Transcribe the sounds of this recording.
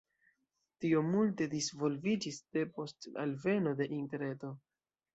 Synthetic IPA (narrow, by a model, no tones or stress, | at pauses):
tio̞multe̞disvo̞lvid͡ʒisde̞po̞sta̰lve̞no̞de̞ʔinteɾe̞to̞